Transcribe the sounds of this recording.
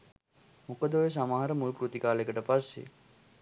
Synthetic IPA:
mukəd̪oʋes̬amaɦaɾəmulkɾut̪ikaːlekəʈəpasːḛ

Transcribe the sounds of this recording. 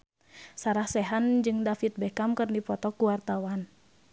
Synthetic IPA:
saɾahsɛɦand͡ʒɨŋdafit̪̚bɛkamkɨrdipɔt̪ɔkuwart̪awan

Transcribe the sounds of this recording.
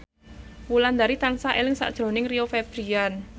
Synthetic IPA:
wuland̪aɾit̪ansaʔelɪŋsa̰ʔd̥ʒ̥ɾo̤nɪŋriofeb̥ɾian

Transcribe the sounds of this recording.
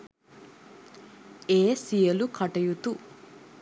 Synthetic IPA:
eːsijɐlukʰɐʈɐjut̪u

